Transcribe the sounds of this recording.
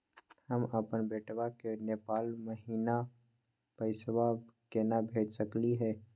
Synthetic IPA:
həməpənbeːʈwakeneːpaːlməɦiːna | pəɪswakeːnabʱeːd͡ʒsəkliɦɛː

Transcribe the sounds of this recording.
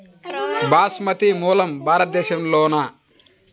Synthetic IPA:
baːsmɐt̪imuːlɐmbaːɾɐt̪̚d̪ːeːʃɐmloːna

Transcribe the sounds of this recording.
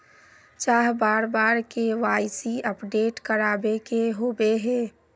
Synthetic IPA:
t͡ʃaːɦbaːɾbaːɾkeʋaːɪsiəpɖeːʈkəɾaːbekeɦoːbeɦɛː

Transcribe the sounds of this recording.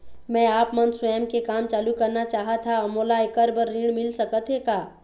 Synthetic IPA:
mɛ̃aːpmənswəjəmkekaːmt͡ʃaːlukɐɾnat͡ʃaːɦat̪ʰamoːlaɪkəɾbəɾːiːɽmɪlsɐkət̪ɦeːkaː

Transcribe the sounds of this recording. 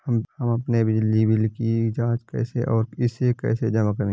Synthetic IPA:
hɐmhɐmɐpnebɪd͡ʒlibʱilɪkiɪd͡ʒaːd͡ʒkɛ̰ːseʔɔːɾɪsekɛ̰ːsed͡ʒɐmakɐɾẽː

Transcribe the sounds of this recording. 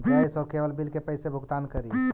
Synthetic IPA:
bʱajsɔːɾkeʋəlbilkepəɪsebʱʊɡt̪ankəɾi

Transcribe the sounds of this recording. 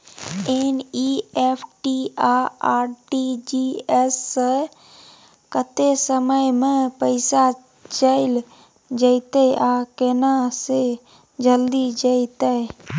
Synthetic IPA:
eniepʰʈiaaɾʈid͡ʒiesːə | kət̪esəməjmẽpəɪsa | t͡ʃəɪl | d͡ʒəɪt̪əʔakenase | d͡ʒəld̪id͡ʒəɪt̪ə

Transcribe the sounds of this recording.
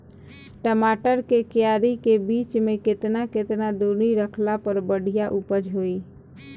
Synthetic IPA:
ʈəmaʈəɾkekjaɾikebit͡ʃmeket̪naket̪nad̪oniɾəkʰlapəɾbəɽ̤ʱijaʔupəd͡ʒɦoi

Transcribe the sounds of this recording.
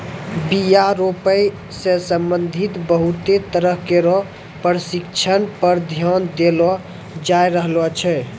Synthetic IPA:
bijaɾopəj | sẽsəmbənd̪ʱit̪bəɦut̪et̪əɾəɦkeɾɔ | pəɾsikt͡ʃʰənpəɾd̪ʱjɔnd̪elɔ | d͡ʒajɾəɦlɔt͡ʃʰɛ

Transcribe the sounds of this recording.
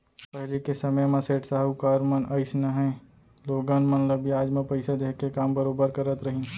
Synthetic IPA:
pɐɦlekesɐməjmɐ̃seːʈsaːɦukaːɾmɐnʔɐɪsnɐɦɛ̃ː | loːɡaːnmɐnləbiaːd͡ʒmẽpɐɪsad̪eːkekaːmbɐɾoːbəɾkɐɾət̪ɾɐɦĩː

